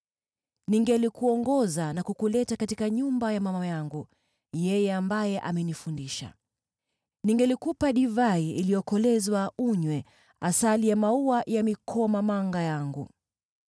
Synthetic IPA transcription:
niŋɡɛlikuɔŋɡɔzanakukulɛtakatikaɲumbajamamaajaŋɡu | jɛjɛambajɛʔamɛnifundiʃa̰ | niŋɡɛlikupaɗivaiilijɔkɔlɛzwauɲwɛ | asalijamauajamikʰɔmamaŋɡajaŋɡṵ

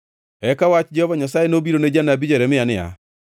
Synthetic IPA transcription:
ɛkawat͡ʃd͡ʒɛhɔvaɲasajenobiɾoned͡ʒanabid͡ʒɛɾɛmɪanɪa̰

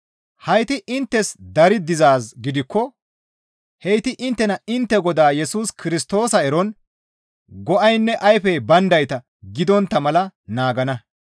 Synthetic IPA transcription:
hɐjt̪ɪʔɪnt̪ːɛsd̪ɐɾɪd̪ɪzaːsɡɪd̪ɪkːɔ | hɛjt̪ɪʔɪnt̪ːɛnɐɪnt̪ːɛɡɔd̪aːjɛsuːskɪɾɪst̪o̞ːsɐɛɾɔn | ɡɔʔɐjnːɛʔɐjfɛjbɐnd̪ɐjt̪ɐ | ɡɪd̪ɔnt̪ːɐmɐlɐnaːɡɐnɐ

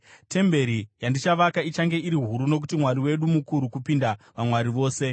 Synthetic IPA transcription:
te̞mbe̞ɾijandit͡ʃaʋakait͡ʃaŋɡe̞iɾiɦuɾuno̞k̬utimwaɾiwe̞ɗumukuɾukupindaʋamwaɾiʋo̞ːse̞

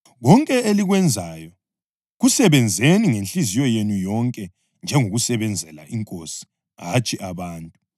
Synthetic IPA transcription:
ɣɔŋkʼɛeliɣwɛnd͡zʱajɔ | ɣusɛβɛnd͡zʱeniŋenɬizijɔjenujɔŋkʼɛ | nd͡ʒʱɛŋoɣusɛβɛnd͡zʱɛla̰iŋkʼo̰si̥ | ɦat͡ʃʼiʔaβaːntʼu

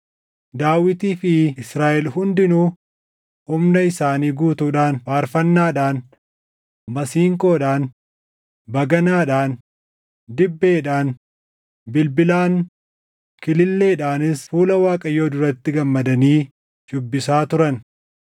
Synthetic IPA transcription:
d̪aːwɪt̪iːfɪɪsɾaːʔɛlhʊnd̪ɪnuː | hʊmnɐɪsaːniːɡuːt̪uːᶑaːnfaːɾfɐnːaːᶑaːn | bɐsiːŋkʼo̞ːᶑaːn | bɐɡɐnaːᶑaːn | d̪ɪbːe̞ːᶑaːn | bɪlbɪlaːn | kɪlɪlːe̞ːᶑaːnɪsfuːlɐwaːkʼɐjːoːd̪ʊɾɐt̪ːɪɡɐmːɐd̪ɐniː | d͡ʒʊbːɪsaːt̪ʊɾɐn

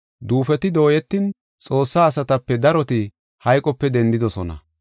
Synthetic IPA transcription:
d̪uːfɛt̪ɪd̪o̞ːjɛt̪ːɪn | t͡sʼo̞ːsːaːsɐt̪ɐpːɛd̪ɐɾɔt̪ɪ | hɐjkʼɔpːɛd̪ɛnd̪ɪd̪ɔsɔ̰nɐ̰

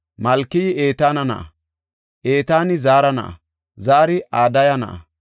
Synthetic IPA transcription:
mɐlkːɪjɪe̞ːt̪aːnɐnɐ̰ʔɐ̰ | ʔe̞ːt̪aːnɪzaːɾɐnɐ̰ʔɐ̰ | zaːɾɪʔaːd̪ɐjɐnɐ̰ʔɐ̰

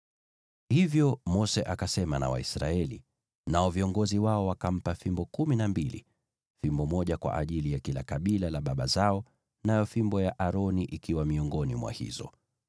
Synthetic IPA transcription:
hivjɔmɔsɛʔakasɛmana̰wa̰isɾaɛli | naɔviɔŋɡɔziwaɔwakam̩pafimbɔkuminambilḭ | fimbɔmɔʄakwa̰ʔaʄilijakilakaɓilalaɓaɓazaɔ | najɔfimbɔjaʔaɾɔniʔikiwamiɔŋɡɔnimwa̰hḭzɔ̰

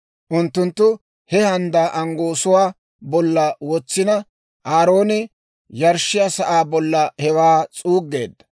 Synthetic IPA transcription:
ʔʊnt̪ːʊnt̪ːʊ | hɛhɐnd̪aːʔɐŋɡo̞ːsʊwaː | bɔlːɐwɔt͡sːɪnɐ | ʔaːɾo̞ːnɪ | jɐɾʃːɪjasɐʔaːbɔlːɐhɛwaːt͡sʼuːɡːeːd̪ːɐ̥

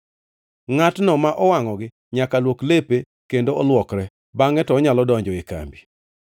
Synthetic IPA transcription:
ŋatnɔmaʔɔwaŋɔɡɪ | ɲakalwoklepe | kendoɔlwɔkɾɛ | baŋɛtɔːɲalɔdɔɲd͡ʒɔɪka̰mbi

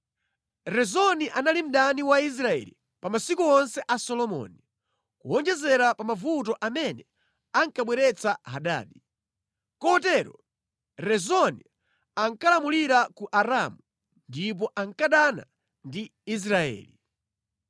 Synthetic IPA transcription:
ɾɛzɔniʔanalim̩ɗaniwais̬ɾaɛ̰lḭ | pamasikuɔnsɛʔasɔlɔmɔ̰ni | kuɔnd͡ʒɛzɛɾapamavut̬ɔʔamɛnɛ | aŋkaɓwɛɾɛt͡saɦaɗa̰ːɗi | kɔɔt̬ɛɾɔ | ɾɛzɔni | aŋkalamuliɾakuʔaɾamu | ndip̬ɔʔaŋkaɗana̰ | ndiis̬ɾaɛ̰ːli

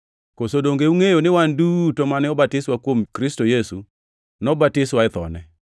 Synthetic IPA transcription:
kosodoŋɡeuŋejonɪwandutomanɪɔbatɪswakwomkɾɪstojesu | nɔbatɪswaɪt̪ɔ̰nɛ

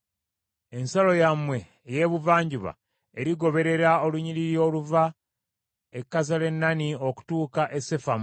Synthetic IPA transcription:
e̞nsalo̞jamwe̞ | je̞ːβuvaːɲɟuβa̰ | eɾiɡo̞βe̞ɾe̞ɾao̞luɲiliɾjo̞ːluva | ekːazale̞nːanio̞ku̥tuːkaʔe̞se̞fam

